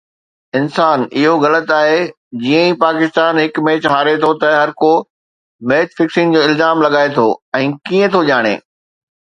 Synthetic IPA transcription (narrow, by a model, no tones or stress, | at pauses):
ɪnsaːnɪɦoɣɐlət̪aːɦe | d͡ʑijə̃ĩpaːkɪst̪aːnɦɪkmẽːt͡ɕɦaːɾet̪ʰot̪ɐɦɐɾko | meːt̪fɪksɪnɪ̆d͡ʑoːɪlzaːmlɐɠaːet̪ʰoɛ̃ːkiə̃t̪ʰoʄaːɽ̃ḛː